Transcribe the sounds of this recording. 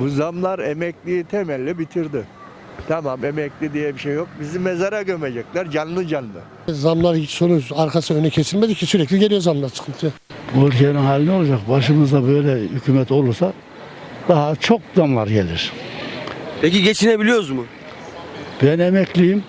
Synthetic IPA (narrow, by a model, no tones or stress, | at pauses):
buzamlˠaɾemɛclʲijit̪ʰɛmɛlʲːibit̪ʰiɾd̪ɪ | t̪ʰamamemɛclʲid̪ijɛbiʃejːok̚bizimːezaɾaɟømed͡ʒɛclʲæɾd͡ʒanlˠɯd͡ʒanːˠɯ̰ | zamlˠaɾso̞nuaɾkʰasɯønycʰe̞silʲmed̪icʰːisyɾɛclʲiɟelʲijo̞zamlˠaɾsɯ̥kʰɯnt̪ʰɯja | buølʲcʰeninɦaːlʲino̞lˠad͡ʒak̚baʃɯmɯzd̪abø̞jlʲɛhycʰymɛt̪o̞lˠuɾsa | d̪̥aɦat͡ʃʰo̞k̚zamlˠaɾɟelʲḭɾ̥ | pʰeciɟe̞t͡ʃʰinebilʲijo̞ɾuzmʊ | b̥ɛnemɛclʲijim